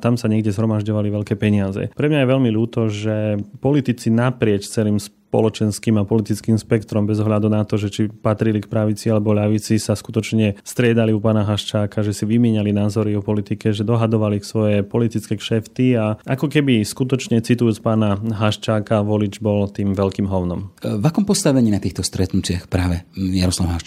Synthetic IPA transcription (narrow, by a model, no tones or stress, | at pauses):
t̪amsaɲɛɡɟɛzɦɾɔmaʒɟɔʋaliʋɛʎkɛːpɛɲɪazɛ̰pɾɛmɲajɛʋɛʎmiʎuːt̪ɔʒɛpɔlit̪it͡sinapɾɪɛct͡sɛlimspɔ̰lɔt͡ʃɛnskiːmapɔlit̪it͡skimspɛkt̪ɔɾɔmbɛzɔɦʎad̪unat̪ɔʒɛt͡ʃipat̪ɾilikpɾaʋit͡sialɛbɔʎaʋit͡sisaskut̪ɔt͡ʃɲɛst̪ɾɪɛd̪aliupaːnaɦaʃt͡ʃaːkaʒɛsiʋimɪɛɲalinaːzɔɾiɔpɔlit̪ikɛʒɛd̪ɔɦad̪ɔʋaliksʋɔjɛpɔlit̪it͡skɛʃɛft̪iaʔakɔkɛbiskut̪ɔt͡ʃɲɛt͡sit̪ujuːt͡spaːnaɦaʃt͡ʃaːkaʋɔlid͡ʒbɔlt̪iːmʋɛʎkiːmɦɔʊnɔmvakɔmpɔst̪aʋɛɲiːnat̪iːxt̪ɔst̪ɾɛt̪nut͡ɕɪaxpɾaːʋɛjaɾɔslaʊɦaʃ